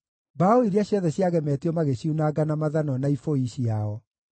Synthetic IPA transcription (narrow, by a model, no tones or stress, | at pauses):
baoiɾiaɕjɔðɛɕjaɣɛmɛːtiɔmaɣeɕiunaɡanamaðanɔnaifoiɕiaɔ